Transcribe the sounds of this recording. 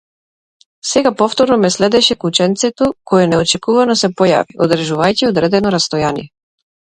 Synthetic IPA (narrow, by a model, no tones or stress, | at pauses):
sɛɡapɔft̪ɔɾnɔmɛslɛd̪ɛʃɛkut͡ʃɛnt̪sɛt̪ɔkɔjɛnɛɔt͡ʃɛkuvanɔsɛpɔja̰viʔod̪ɾɛʒuvajciod̪ɾɛd̪ɛnɔɾast̪ɔjanḭjɛ